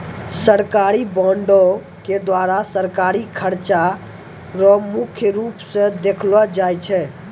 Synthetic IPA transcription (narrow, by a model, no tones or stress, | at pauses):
səɾkaɾibɔɳɖo | ked̪waɾasəɾkaɾikʰəɾt͡ʃa | ɾɔmukʰjəɾupsə̃d̪ekʰlɔd͡ʒajt͡ʃʰɛ